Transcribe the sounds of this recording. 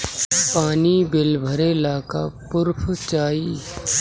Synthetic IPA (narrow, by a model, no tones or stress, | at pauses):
paːnibɪlbʱəɾelaːkapʊɾpʰt͡ʃaːi